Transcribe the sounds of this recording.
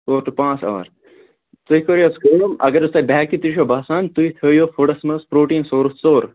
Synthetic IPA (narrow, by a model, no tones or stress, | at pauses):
soːɾʈupãːt͡sa̰ːʋɐ̰ɾ | t̪uikoːɾjɐskɐɾjoːmɐ̰ɡɐɾust̪aːbɛkit̪iɾiʃoːbaːsaːnt̪uit̪ʰəːjoːfoʈɐsmɐspɾoːʈiːnsoːɾut͡soːɾ